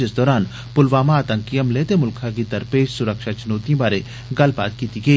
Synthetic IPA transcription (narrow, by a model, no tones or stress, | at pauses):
ɪsd̪ɔːɾaːn | pʊlʋaːmaːt̪ə̃ŋkijəmleːt̪emʊlkʰãk̬it̪ɐɾpeːʃsʊɾəkʃat͡ʃʊnoːt̪ĩbaːɾe | ɡɐlpa̰ːt̪̚kiːt̪iɡɐiː